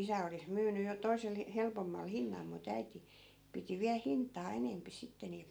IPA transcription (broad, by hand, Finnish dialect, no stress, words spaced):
isæ olis myːny jo toi̯sel helpomːɑl hinːɑl mut æiti piti ʋiæl hintˑɑː enempi sitːe niːl